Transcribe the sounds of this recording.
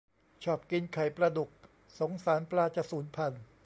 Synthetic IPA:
t͡ɕʰɔː˨˩p̚ki˧nkʰa˨˩jpɾa˧du˨˩k̚ | so˩˦ŋsaː˩˦nplaː˧t͡ɕa˧˩suː˩˦npʰa˧n

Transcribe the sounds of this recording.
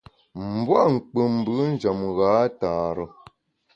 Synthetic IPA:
m̩˨bwa˦ŋ̩˨k͡pə˨m˨bɨ˨˦n̩˦d͡ʒa˨mɣaː˨˦taː˨ɾə˨

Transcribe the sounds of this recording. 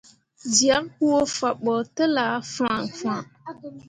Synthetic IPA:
d͡ʒi˨a˨˦kku˦o˦fa˨ɓɔ˨tɨ˦la˨˦fã˨ŋfã˨

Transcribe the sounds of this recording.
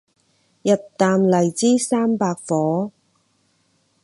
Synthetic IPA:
jɐ˨t̚t̪aː˨mlɐ˨˩jt͡siː˥saː˥mpaː˧k̚fɔː˨˥

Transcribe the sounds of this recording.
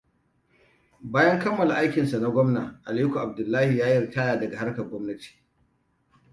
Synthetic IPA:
baː˦jɐ˦ŋkɐ˦mːɐ˨la˨ʔa˦jkʲɪ˨nsa˨na˦ɡʷɔ˦mnaː˨ʔa˨liː˦kʷu˨ʔa˨b̚dʊ˨lːaː˦hi˨jaː˦jɪ˦˨rtaː˦jaː˨dɐ˨ɡa˨ha˦rkɐ˨rɡʷɔ˦mnɐ˦ti̥ː˨

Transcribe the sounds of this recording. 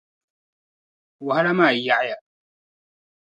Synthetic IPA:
wa˨ɦa˦la˦maː˦˨ja˨ʔja˦˨

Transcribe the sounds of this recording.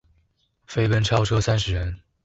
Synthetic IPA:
fe˥ɪpə˥˧nʈ͡ʂʰɑ˥ʊʈ͡ʂʰɤ˥sa˥nʂɻ̩˧˥ɻə˧˥n

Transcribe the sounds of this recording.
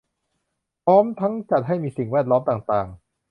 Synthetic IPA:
pʰɔː˦˥mt̪ʰa˦˥ŋt͡ɕa˨˩t̪̚ɦa˥˩jmiː˧si˨˩ŋwɛː˥˩t̪̚lɔː˦˥mt̪aː˨˩ŋt̪aː˨˩ŋ

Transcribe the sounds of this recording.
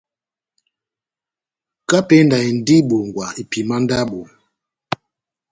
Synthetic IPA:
ka˦pɛ˦nda˨i˨n̩˨di˦ɓo˨ŋ˨ɡwa˨i˨pi˨ma˦nda˦ɓo˨

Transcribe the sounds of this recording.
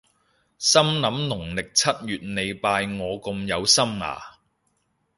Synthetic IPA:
sɐ˥mnɐ˨˥mnʊ˨˩ŋlɪ˨k̚t͡sʰɐ˥t̚jyː˨t̚ne˨˧jpaː˧jŋɔː˨˧ko˧mjɐ˨˧wsɐ˥mŋa̰ː˨˩

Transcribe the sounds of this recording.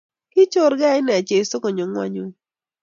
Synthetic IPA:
kɪ˦t͡ʃo˦ɾɡa˦ɪ˦nɛ˨a˨t͡ʃe˨˦so˦kɔ˨ɲo˨ŋwa̰˦ɲo˨˦

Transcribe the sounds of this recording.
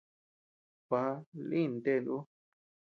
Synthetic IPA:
βa˧a˧lĩ˦˧˨nd̪e˦˨nd̪u˦

